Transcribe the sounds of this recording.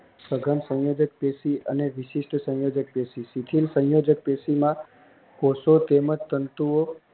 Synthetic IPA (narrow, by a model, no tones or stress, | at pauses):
səɡʱənsə̃jod͡ʒək̚pesiə̰neʋiʃiʂʈsə̃jod͡ʒək̚pesisit̪ʰilsə̃jod͡ʒək̚pesimã | kosot̪emət̪ːənt̪uo